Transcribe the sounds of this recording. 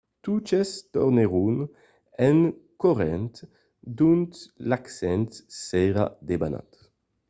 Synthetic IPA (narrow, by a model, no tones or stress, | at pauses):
t̪ut͡ʃest̪ɔ̰ʁneʁun | ɛnkɔʁɛnt̪ | d̪unt̪laksɛnt̪sɛʁa̰d̪ebana̰t̪